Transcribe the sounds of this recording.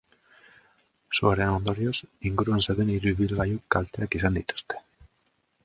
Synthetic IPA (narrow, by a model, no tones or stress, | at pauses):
suaɾenond̪oɾjosiŋɡuɾuanseðueniɾuiβilβajukalt̪eakis̬and̪it̪u̥st̪e̥